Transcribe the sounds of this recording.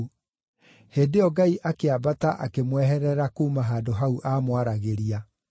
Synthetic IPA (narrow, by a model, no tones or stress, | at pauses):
heːdeɔɡaiʔakeabataʔa̰kemwɛɦɛɾɛɾakuːmaɦaːdoɦauʔaːmwaɾaɣeɾia